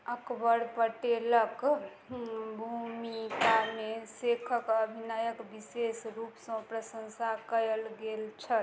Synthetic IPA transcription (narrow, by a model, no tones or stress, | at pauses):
əkbəɽpəʈelək | bʱumikamesekʰəkəbʱinajəkbisesɾupsə̃pɾəsə̃nsakəəlɡelt͡ʃʰə